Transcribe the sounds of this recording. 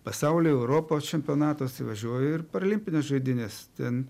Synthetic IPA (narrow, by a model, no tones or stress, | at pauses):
pɐsɐʊlʲoɛʊɾoːpot͡ʃʲɛmʲpʲoːnɑːt̪oːɐsʲɪʋɐʒʲuɔjoɪɾpɐɾɐlʲɪmʲpʲɪnʲesʒɐɪd̪ʲɪnʲest̪ʲɛn